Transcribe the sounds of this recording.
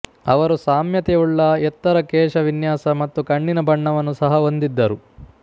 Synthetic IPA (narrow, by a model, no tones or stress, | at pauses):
ɐʋɐɾusaːmjɐt̪ɛuɭːɐɛt̪ːɐɾɐkɛːʂɐʋinjaːsɐmɐt̪ːukɐɳːinɐbʱɐɳːɐʋɐnːusɐɦɐo̞nd̪id̪ːɐɾu